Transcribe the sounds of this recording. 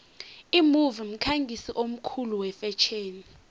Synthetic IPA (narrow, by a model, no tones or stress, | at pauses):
imuvim̩kʰaŋɡʱisiʔom̩kʰuluwɛfɛt͡ʃʰeːni